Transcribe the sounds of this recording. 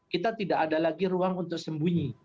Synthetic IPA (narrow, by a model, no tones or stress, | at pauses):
kit̪at̪idaʔadalaɡiɾuaŋunt̪ʊk̚səmbuɲi